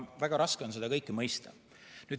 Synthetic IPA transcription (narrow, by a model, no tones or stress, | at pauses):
væɡ̥ɑɾɑskeo̞ns̬e̞d̪ɑkɤjkːˑemɤjst̪ɑ̰ | nyːd̪